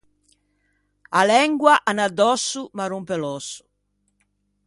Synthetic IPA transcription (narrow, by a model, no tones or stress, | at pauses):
alɛŋɡwaʔanad̪ːɔsːumaɾumpɛlɔsːu̥